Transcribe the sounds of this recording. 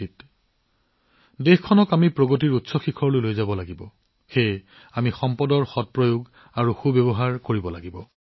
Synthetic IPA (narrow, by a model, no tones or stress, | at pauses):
it | dexkʰɔnɔkamipɹoɡot̬iɹutsɔxikʰɔɹlojlojzabɔlaɡibɔ | xej | amixɔmpɔdɔɹxɔt̚pɹɔjoɡ | aɹuxubebɔɦaɹkoɹibɔlaɡibɔ